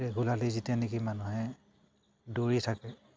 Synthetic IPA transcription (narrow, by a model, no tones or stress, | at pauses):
ɛɡʱulalizitijanikimanuɦɛ | doɹitʰakɛ